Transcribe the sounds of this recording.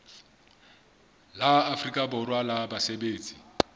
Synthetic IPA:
laafrikʼabʊrwalabasebeːt͡sʼi̥

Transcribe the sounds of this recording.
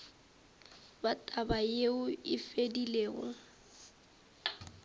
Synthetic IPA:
batʼabajeʊɪfedileːɣɔ

